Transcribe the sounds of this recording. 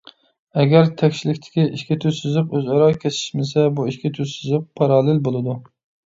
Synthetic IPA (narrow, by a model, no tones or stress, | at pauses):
ɛɡʲæɾt̪ʰɛkʲʃilɪkʲt̪ʰɪ̥kʲiʔiʃkʲɪt̪ʰysyzɪqøzɑɾɑkʲʰesʰiɪ̥ʃmɪsɛbuiʃkʲɪt̪ʰyzsyzɪq̚pʰɑɾɑːlˠɪlbolˠɨd̪u